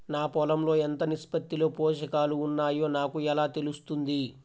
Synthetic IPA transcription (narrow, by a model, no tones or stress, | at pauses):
naːpɔlɐmlo̞ːent̪ɐnispɐt̪ːilo̞ːpoːʃɐkaːluːnːaːjoːnaːkuɛlaːt̪e̞lust̪und̪i